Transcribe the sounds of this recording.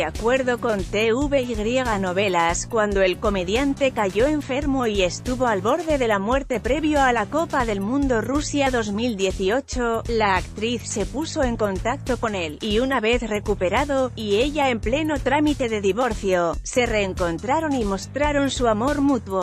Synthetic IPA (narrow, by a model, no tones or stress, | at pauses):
eakwe̞ɾðo̞ko̞nt̪e̞uβe̞iɣɾje̞ɣ̞ano̞β̞e̞laskwand̪o̞e̞lko̞me̞ðjant̪e̞kaʝo̞e̞ɱfe̞ɾmo̞ie̞st̪uβo̞alβo̞ɾðe̞ðe̞lamwe̞ɾt̪e̞pɾe̞βjoalako̞paðe̞lmũnd̪o̞rusjaðo̞zmild̪je̞θio̞t͡ʃo̞laːkt̪ɾiθse̞puso̞e̞ŋko̞nt̪ak̚t̪o̞ko̞ne̞liunaβe̞θre̞kupe̞ɾaðo̞ie̞ʝaemple̞no̞t̪ɾamit̪e̞ðe̞ðiβo̞ɾθjo̞se̞re̞ːŋko̞nt̪ɾaɾo̞nimo̞st̪ɾaɾo̞nsuamo̞ɾmut̪wo